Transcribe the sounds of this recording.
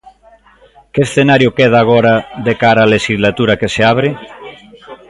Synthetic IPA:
keesθenaɾjokeð̞aːɣ̞oɾaðekaɾaːleʃizlat̪uɾakeseaβ̞ɾe

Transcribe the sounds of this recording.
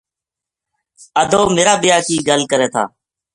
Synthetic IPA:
əd̪ʱoːmeːɾaːbɪjaːkiːɡəlkəɾeːt̪ʰa̰ː

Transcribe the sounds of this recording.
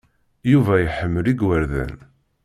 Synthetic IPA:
juvæjħəmːəliɡwəɾðæ̰n

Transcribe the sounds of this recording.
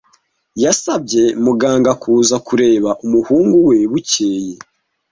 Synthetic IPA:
jasab̚ɟe̞muɡaːŋɡakʰuːzakuɾe̞ːβaʔumuhuːŋɡuwe̞βuce̞ːje̞

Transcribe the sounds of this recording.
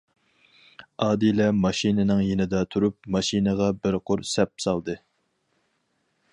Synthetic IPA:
ɑːd̪ilɛmɑʃinɪnɨŋjenɪd̪ɑt̪ʰuɾup̚mɑʃinəʁɑbɪɾqʰʊɾsɛp̚sɑlˠd̪ɨ

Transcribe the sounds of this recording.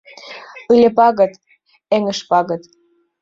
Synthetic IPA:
ɯlʲĕpɑɣɤ̆t̪ | eŋə̆ʃpɑɣɤ̆t̪

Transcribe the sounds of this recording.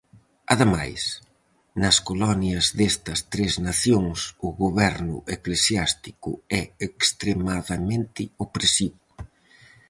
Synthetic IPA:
ɐðema̰js | nɐskolɔnjɐzðɛst̪ɐst̪ɾeznaθjoŋsʊɣoβɛɾnʊ̰ʔeklesjast̪ikʊ̰ɛekst̪ɾemaðɐmẽnt̪ɪopɾesiβʊ

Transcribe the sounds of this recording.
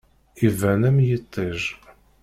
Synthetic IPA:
ivænæmjət̪ˤʰːiʒ

